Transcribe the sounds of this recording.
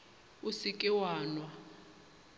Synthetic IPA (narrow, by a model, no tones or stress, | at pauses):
usikʼɛwaːnwa